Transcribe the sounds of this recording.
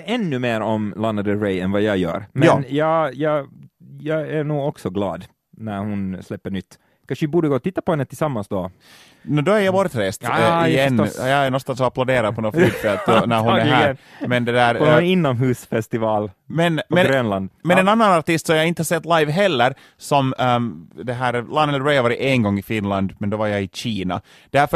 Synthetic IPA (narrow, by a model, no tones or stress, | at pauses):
ɛnːʉmeːɾɔmlanːad̪əɾɛɪɛnvɑjɑjœ̰ːɾmɛjɑːjɑːjɑːjɑːɡæɳuːɡɔksɔɡlɑ̰ːd̪ | næɾhʊnslɛpːəɳʏt̪ː | kʰanʂəɪbuːɖəɡoːɔt̪ɪt̪ːapɔhɛnːət̪ʰɪlsamːansd̪ɔ | nd̪ɔæɾjɑvɑːɾɪt̪ɾeːst̪d̪ɪɛnːjɑæɾnɔnst̪ansɔaplaʊd̪eːɾad̪pʰɔnɔyːt̪fɛlɔnæɾɦʊnæɾhæːɾmɛnd̪ɛd̪æːɾɔɪnːɔmɦʉːsfɛst̪ɪvɑːlmɛnɔmɛnɾøːnland̪mɛnɛnanːanaɾt̪ɪst̪sɔmjɑɪnt̪əhɑsɛt̪ːlajvɦɛlːəɾ | sɔm | d̪ɛɦæːɾlanɛlɹɛhʋɑːɾɪeŋɡɔŋːɪfɪnland̪mɛnd̪ɔvɑɾjɑɪɕiːnɑ̰ | d̪̥æɾf